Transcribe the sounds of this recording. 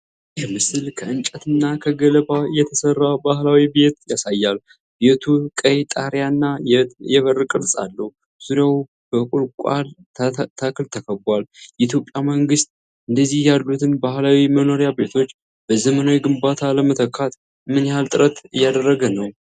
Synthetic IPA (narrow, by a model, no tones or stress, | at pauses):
jɛmɨsɨlkʰəɨnt͡ʃʼət̪ʰɨnːakʰəɡələbajɛt̪ʰəsərːawbahlawibe̞t̪jasajːal | be̞t̪ʰukʼəjt̪ʼaɾjanːajɛβərkʼɨɾsʼa̰lːəh | z̥uɾaw | b̥əkʼuɾkʷʼa̰l | t̪ʰakɨlt̪ʰəkʰəbwaljɛit̪jo̞pʼjaməŋɡɨst̪̚ʼ | ʔɨnd̪əzːihjalːut̪ʰɨnbahlawiməno̞ɾjabe̞t̪ʰo̞t͡ʃː | b̥əzəmənawiɡɨmbat̪ʰaləmət̪ʰəkʰːat̪ | mɨnjhalt̪ʼɨɾət̪ɨjːad̪ərːəɡənəw